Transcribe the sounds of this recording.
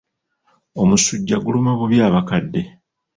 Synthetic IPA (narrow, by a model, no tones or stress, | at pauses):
o̞musuɟːaɡulumeβuβjaːβakadːe̞